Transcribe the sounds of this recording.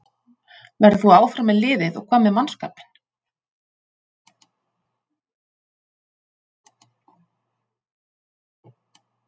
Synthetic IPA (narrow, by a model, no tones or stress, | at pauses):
vɛɾðθuaːwfɾamɛðlɪːðɪðɔ̰ɣkʰvaːmɛðmanska̰ːpɪ̥n̥